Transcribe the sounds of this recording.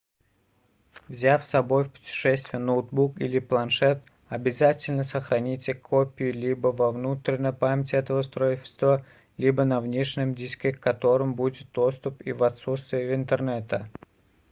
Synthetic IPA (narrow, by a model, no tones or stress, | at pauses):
vzʲafsɐbo̞jfpʊ̥tʲɪ̥ʂɛsʲt̪vʲɪjənot̪̚bukḭlʲɪplˠɐnʂɛt̪ | ɐbʲɪzatʲɪlʲnəsəxɾɐnʲitʲɪkʰopʲɪjɪlʲibəvɐvnut̪ɾʲɪnʲəjpamʲɪtʲɪɛt̪əvəst̪ɾoɪʃʲɪ̥st̪və | lʲibənɐvnʲeʂnʲɪmdʲisʲkʲɪkkːɐt̪o̞ɾɨmbudʲɪt̪̚d̪o̞st̪ʊpivɐt̪sut̪st̪vʲɪjəvɪnt̪ərnɛt̪ə